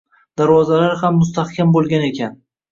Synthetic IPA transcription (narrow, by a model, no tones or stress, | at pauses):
d̪̥aɾwɒzalaɾhamːʊst̪ahkʲʰambolˠɡʲane̞kʲʰan